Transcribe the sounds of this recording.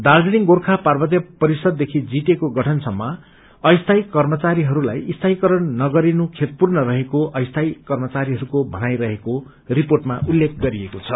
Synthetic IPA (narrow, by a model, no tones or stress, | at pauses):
d̪ard͡ziɽiŋɡorkʰaparbʌt̪jʌpʌɾisʌd̪̚ːekʰid͡zit̪ekoɡʌʈʰʌnsʌmːʌ | ʌjst̪ʰajkʌrmʌt͡saɾiɦʌɾula̰jist̪ʰajkʌɾʌnnʌɡʌɾinukʰet̪̚purnʌrʌɦekoʔʌjst̪ʰajkʌrmʌt͡saɾiɦʌɾukobʱʌnajɾʌɦeko | riporʈmaulːekʰɡʌɾiekot͡sʰʌ